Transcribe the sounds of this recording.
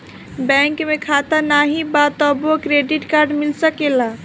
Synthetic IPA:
bɛ̃ŋkmekʰat̪anaɦibat̪əbokɾeɖiʈkaɾɖmilsəkela

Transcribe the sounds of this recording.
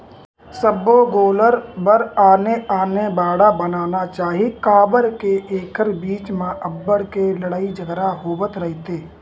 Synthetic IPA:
səbːoɡoːləɾbəɾaːneaːnebaːɽabənaːnat͡ʃaːɦikaːbəɾkeʔeːkʰəɾbiːt͡ʃmẽʔəbːəɽkeləɽaːid͡ʒəɡɾaɦoːbət̪ɾəɦit̪eː

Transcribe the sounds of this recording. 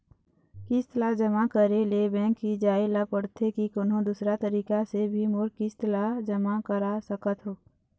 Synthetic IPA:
kɪst̪əlad͡ʒəmakəɾelebɛ̃ːkːid͡ʒaːelapəɽt̪ʰekikoːnɦõd̪usɾat̪əɾiːkasebʱimʊɾkɪst̪əlad͡ʒəmakəɾasəkət̪ɦoː

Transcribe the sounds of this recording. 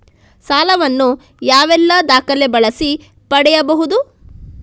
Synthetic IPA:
saːlɐʋɐnːu | jaːʋɛlːɐd̪aːkɐlebɐɭɐsi | pɐɽɛjɐbɐɦud̪u

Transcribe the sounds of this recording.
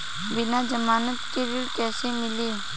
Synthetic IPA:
bɪnad͡ʒəmaːnət̪keɾɪɽkɛːsemɪleː

